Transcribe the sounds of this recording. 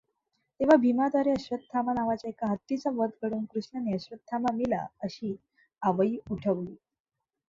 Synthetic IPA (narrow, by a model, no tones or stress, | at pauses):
t̪eʋ̤abʱimad̪aɾeəɕʋəd̪̚t̪ʰːamanaʋat͡ɕaekaɦət̪ːit͡saʋəɾd̪̚kəɽuːnkɾuɕɳəneəɕʋət̪̚t̪ʰːamamila̰əɕiː | aʋəiuʈʰəʋliː